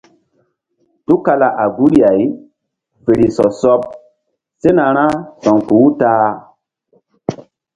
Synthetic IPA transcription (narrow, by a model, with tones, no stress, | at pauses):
tu˦ka˧la˨ʔa˨ɡu˦ɾa˨j | fe˨ɾi˨sɔ˨sɔ˦p̚ | se˦na˨ɾ̃ã˦sɔ˨ŋku˨˦u˦taː˦˨